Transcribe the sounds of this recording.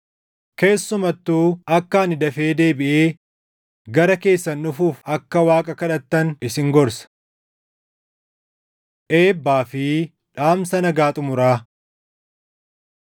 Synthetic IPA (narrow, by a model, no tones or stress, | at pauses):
ke̞ːsːʊmɐt̪ːuːɐkːaːnɪd̪ɐfe̞ːd̪e̞ːbɪʔeː | ɡɐɾɐke̞ːsːɐnːʊfuːfɐkːɐwaːkʼɐkɐᶑɐt̪ːɐnɪsɪŋɡɔɾsɐ̥ | ʔe̞ːbːaːfɪ | ᶑaːmsɐnɐɡaːt̪ʼʊmʊɾaː